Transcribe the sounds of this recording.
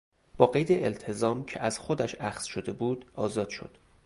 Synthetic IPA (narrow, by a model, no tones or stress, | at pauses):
b̥ɒːɣe̞jd̪eʔelt̪ʰe̞zɒːmcʰḛʔæzxod̪æʃæxz̥ʃod̪e̞buːd̪̥ɒːzɒːd̪̥ʃo̰d̪̥